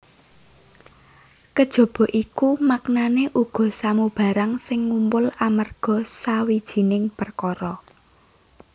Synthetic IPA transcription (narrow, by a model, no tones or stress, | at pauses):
kəd̥ʒ̥ɔ̤b̥ɔ̤ʔikumaknaneʔuɡ̥ɔ̤samub̥ä̤ɾaŋsɪŋːumpʊlamərɡ̥ɔ̤sawid̥ʒ̥i̤nɪŋpərkɔɾɔ